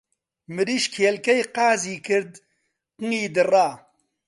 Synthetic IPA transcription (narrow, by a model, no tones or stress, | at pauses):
mɨɾiːʃkʰeːlkɛjqaːziːkʰɨɾd̪ | qɨŋiːd̪ɨraː